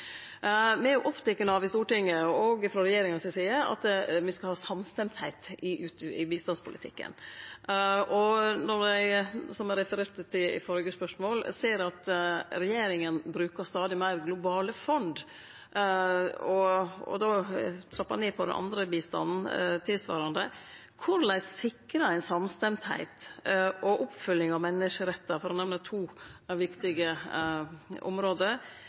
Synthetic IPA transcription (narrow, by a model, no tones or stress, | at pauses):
mɛæjʊʔɔpt̪ʰɛkːənɑʋɪst̪uːʈɪŋːəɔɡfɾɔɾɛjeːɾɪŋɑnsɛsiːəɑ̰t̪mɪskɑhɑːsɑmst̪ɛmt̪hæɪt̪ɪʉːt̪ːɪbiːst̪ɑnspʰʊlɪ̰t̪ʰɪ̰kːə̰n | ʔɔnɔɾæɪsɔmɛɾɛfəɾeːɾt̪t̪ɪɪ̰fɔɾɡəspœʂmoːlseːɾɑt̪ɾɛjeːɾɪŋənbɾʉːkəst̪ɑːd̪ɪmæɪɾɡlʊbɑːləfɔnd̪ | ɔɔ̰d̪oːt̪ʰlɑpːɑ̰neːpʰɔd̪ɛ̰nʔɑ̰nd̪ɾəbiːst̪ɑ̰nn̩t̪ʰɪlsʋɑ̰ːɾɑnd̪ə | kʰʊɾlæɪssɪkɾɑæɪnsɑmst̪ɛmt̪hæ̰ɪt̪ɔʔʊpfʏlːɪŋɑʋmɛnːəʂəɾɛt̪ːɑfɔɾɔnɛʋnət̪ʰuːʋɪkt̪ɪɡə | ʔʊ̰mɾoːd̪əɾ